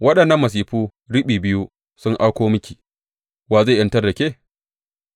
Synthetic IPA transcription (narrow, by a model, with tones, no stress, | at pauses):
wɐ˦ɗɐ˨nːɐ˦mːɐ˨s̬iː˨ɸuː˦ | ɽɪ˦ɓiː˨bɪ˦ju˦ | sʊ˦ŋʔa˦kʷoː˦mʊ˦kʲiː˨ | waː˨za˦˨ʔɐ˦ntɐ˦rdɐ˨kʲeː˦˨